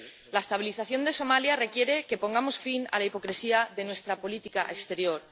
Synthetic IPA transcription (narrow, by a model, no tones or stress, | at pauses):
laest̪aβiliθaθjo̞nd̪e̞so̞maljare̞kje̞ɾe̞ke̞po̞ŋɡamo̞sfina̰laipo̞kɾesiaðe̞nwe̞st̪ɾapo̞lit̪ikaʔekst̪e̞ɾjo̞ɾ